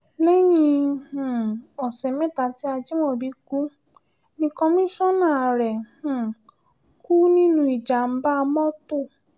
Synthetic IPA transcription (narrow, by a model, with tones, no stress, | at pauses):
lɛ˦ɲĩ˧hũ˨ɔ˨sɛ˨mɛ̃˦ta˨˦ti˦a˧d͡ʒi˦mɔ̃˦˨bi˧˦ku˦ | nĩ˧kɔ˧mĩ˦ʃɔ̃˦nãː˦˨ɾɛ˨h̩˨ | kuː˦nĩ˦nũ˦i˨d͡ʒa˨m̩˨˦ba˦˧mɔ̃˦to˦˨